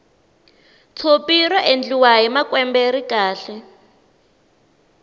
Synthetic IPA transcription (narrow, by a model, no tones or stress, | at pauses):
t͡sʰopirɔʔend͡ɮiwaɦimakwɛmbeɾikaːɬɛ